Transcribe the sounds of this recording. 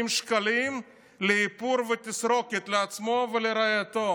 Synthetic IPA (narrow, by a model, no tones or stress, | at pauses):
imʃkalim | leipuɾvet̪isɾo̞ket̪leat͡smo̞veleɾajat̪o